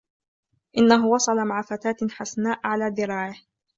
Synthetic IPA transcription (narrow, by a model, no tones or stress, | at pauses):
ʔɪnːaɦʊwɑsˤɑlamaʕafat̪aːt̪ħasnaːʔʕalaːd̪ɪɾˤɑːʕɪh